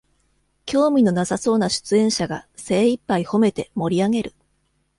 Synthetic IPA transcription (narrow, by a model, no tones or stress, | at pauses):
kʲo̞ːmʲino̞nasaso̞ːnaɕɨ̥t͡sɨẽ̞ɰ̃ɕaɡase̞ːipːaiho̞me̞t̪e̞mo̞ɾʲiaɡe̞ɾɯ̟